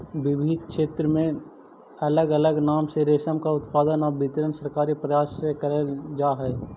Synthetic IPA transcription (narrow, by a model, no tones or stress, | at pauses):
bɪbʱid̪̚kʃeːt̪ɾəmẽ | ɐləɡɐləɡnaːmseɾeːsəmkaʊt̪paːd̪ənɔːɾbʱɪt̪ɾənsəɾkaːɾipɾɐjaːsekɐɾeld͡ʒaːɦɛː